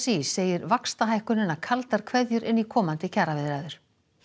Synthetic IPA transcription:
sisːeːjɪɾvakst̪aɦajhkʏnɪnːakʰalt̪aɾ̥kʰvɛðjʏɾɪnːikʰɔːmant̪ɪcʰaːɾavɪðɾaðʏɾ̥

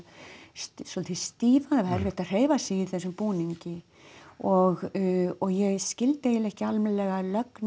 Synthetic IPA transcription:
ssɔlt̪ʰist̪iːvaðhɛɾvɪht̪aðr̥eːjvasɪiθɛsːʏmpuːniɲcɪ | ɔɣɔɣjɛɣscɪlt̪ɪɛlɛhcɪalmɛlɛɣalœkn

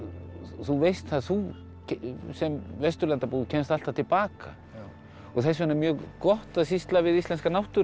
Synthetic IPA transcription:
θuvejst̪θaðθu | sɛmvɛst̪ʏɾlɛnt̪apuːðʏcʰɛnst̪al̥t̪av̥t̪ʰɪlpaːka̰ | ɔɣθɛsvɛnːamjœːɣkɔht̪aðsist̪lavɪðist̪ɛnskanawht̪ʏ

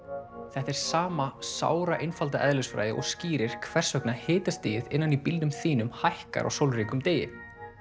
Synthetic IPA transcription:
θɛht̪ɛɾ̥saːmasa̰ːwɾaʔenfalt̪aʔɛðlʏsfɾa̰jðɪ̰ʔɔ̰ɣsciːɾɪɾ̥kʰvɛr̥sœknahɪːt̪ast̪ɪːjɪðɪnːanipilt̪ʏmθiːnʏmhajhka̰ɾʔa̰ɣsowlriːkʏmt̪eːjɪ̰

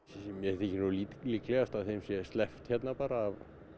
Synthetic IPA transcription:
mjɛθɪcɪnuliːliːklɛɣast̪avθejmsjɛst̪lɛft̪çɛt̪napaːɾaːv

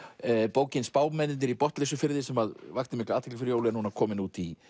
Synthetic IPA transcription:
poːwcɪnspaːwmɛnɪnnɪɾipɔht̪lɛsʏfɪɾɪðɪsɛmaðvakt̪ɪmɪhklaːt̪ʰɪklɪfɪɾjoːwlɪɛnunaɾkʰɔːmɪnuːt̪i

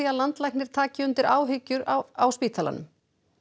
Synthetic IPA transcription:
iaðlant̪lajknɪɾ̥t̪ʰaːcɪʏnt̪ɪɾʔaːwɦʏcːʏɾaawspiːt̪ʰala̰nʏ̰m

